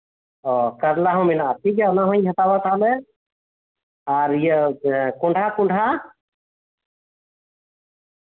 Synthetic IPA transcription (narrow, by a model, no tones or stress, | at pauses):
ɔkəɾlaɦɔ̃minaət̪ʰiɡaɔnaɦɔ̃j̃ɦãt̪abat̪ʰalɛ | aɾijəkɔɳɖʱakuɳɖʱa